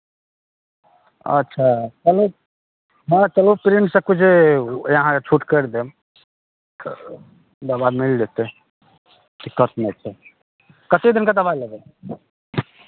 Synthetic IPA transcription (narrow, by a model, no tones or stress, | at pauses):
ə̰tːʃʰat͡ʃəlo | ɦə̃t͡ʃəlopɾinsəb̚kud͡ʒejəɦãet͡ʃʰuʈkəɾd̪em | d̪əbamild͡ʒet̪e | d̪ikːət̪met͡ʃʰɛ | kət̪ed̪inked̪əβailəɡɛt̪